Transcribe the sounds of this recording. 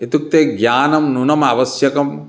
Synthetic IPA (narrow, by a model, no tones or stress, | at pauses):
et̪uk̚t̪eːɡjaːnɐmnunɐmaːʋɐsjɐkɐm